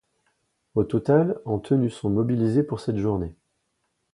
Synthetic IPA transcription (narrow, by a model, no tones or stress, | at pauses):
ot̪ɔt̪alɑ̃t̪ʰənysɔ̃mɔbilizepuʁsɛt̪ʒuʁne